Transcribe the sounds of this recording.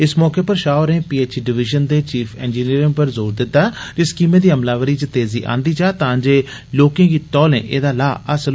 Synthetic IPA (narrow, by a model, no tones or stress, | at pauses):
ɪsmɔːkeːpəɾʃaːɾẽːpiːeːt͡ʃːɖɪʋɪʒənd̪eːt͡ʃiːpʰɛ̃ːnd͡ʒiːniːɾɪ̃ŋpəɾzoːɾd̪ɪt̪ːaːd͡ʒəskiːmẽːd̪iːəmlaːʋəɾiːt͡ʃət̪eːziːʔã̰ːnd̪iːt͡ʃaːt̪ãːd͡ʒeː | loːkẽːɡiːt̪ɔːlḛ̃ːʔḛːd̪aːlaːəsəl